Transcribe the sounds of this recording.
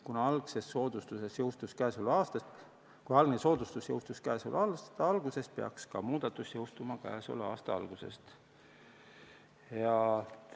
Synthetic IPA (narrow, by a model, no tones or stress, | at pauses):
kunɑlɡ̥se̞sːo̞ːd̪̥ust̪usesjɤwst̪uskæːsulɑːst̪ɑ | kujɑlɡ̥neso̞ːd̪̥ust̪usjɤwst̪uskæːsṵlɑlst̪ɑɑlɡuse̞speɑ̰kskɑmuːd̪̥ɑt̪ːˑusjɤwst̪umɑkæ̰ːso̰lɑːst̪ɑɑ̰lɡ̥use̞̰st̪ | jɑ